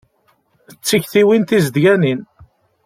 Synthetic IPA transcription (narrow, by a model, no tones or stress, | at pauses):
ət͡sːiçθiwint̪izd̪ʝænin